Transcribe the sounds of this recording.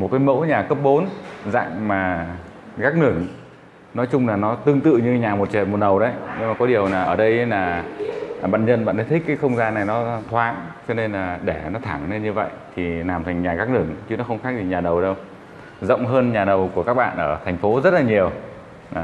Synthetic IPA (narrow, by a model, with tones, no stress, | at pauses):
mo˨˩t̚kaː˨˦jmo̰˧˥ɲaː˨˩kə˦˥p̚ɓo˨˦nza̰ː˧˨ŋmaː˨˩ɣaː˦˥k̚nɨ˧˩əŋ | nɔ˨˦jt͡ɕʊ˧ŋ͡mlaː˨˩nɔ˨˦t̪ɨ˧əŋt̪ɨ̰˧˨ɲɨ˧ɲaː˨˩mo˨˩t̚t͡ɕḛ˨˩mo˨˩t̚ɗə˨˩wɗə˨˦jɲɨ˧ŋmaː˨˩kɔ˨˦ɗi˨˩əwlaː˨˩ʔəː˧˩ɗə˧jlaː˨˩ | ɓa̰ː˧˨nɲə̰˧nɓa̰ː˧˨nt̪ə˨˦t̪ʰï˦˥k̚ːaː˨˦jxə˧wŋ͡mzaː˧nːa˨˩jnɔ˨˦t̪ʰwaː˨˦ŋt͡ɕɔ˧ne˧nlaː˨˩ɗe˧˩nɔ˨˦t̪ʰaː˧˩ŋne˧ɲɨ˧və̰˧˨jt̪ʰi˨˩laː˨˩mt̪ʰɛ˨˩ŋ̟ɲaː˨˩ɣaː˦˥k̚nɨ˧˩əŋt͡ɕɨ˨˦nɔ˨˦xə˧wŋ͡mxaː˦˥k̚zi˨˩ɲaː˨˩ɗə˨˩wɗə˧w | zə̰˧˨wŋ͡mɦəː˧nɲaː˨˩ɗə˨˩wku˧˩əkaː˦˥k̚ɓa̰ː˧˨nʔəː˧˩t̪ʰɛ˨˩jŋ̟fo˨˦zə˦˥t̚laː˨˩ɲi˨˩əw